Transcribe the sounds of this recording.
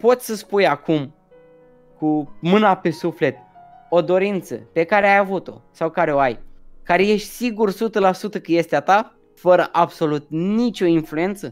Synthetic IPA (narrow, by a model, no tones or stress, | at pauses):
po̞t̪sʲsəspujakum | kumɨnape̞sufle̞t̪̚ | o̞d̪o̞ɾint̪sə̰pe̞kaɾeajavut̪o̞̰sawkaɾe̞oajkaɾeje̞ʃt̪ʲsiɡursut̪əlasut̪əkɨje̞st̪eat̪a | fəɾəʔabso̞lut̪̚nit͡ʃʲo̞influje̞nt̪sə